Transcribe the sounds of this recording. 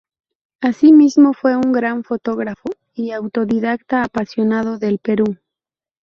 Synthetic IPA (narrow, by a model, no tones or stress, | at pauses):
asimizmo̞fwe̞uŋɡɾaɱfo̞t̪o̞ɣɾafo | iawt̪o̞ðiðak̚t̪aːpasjo̞naðo̞ðe̞lpe̞ɾu